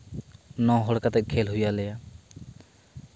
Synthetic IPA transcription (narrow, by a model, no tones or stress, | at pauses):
nɔ̃ɦɔɽkat̪ɛʔ̚ˀkʰɛlɦujalɛja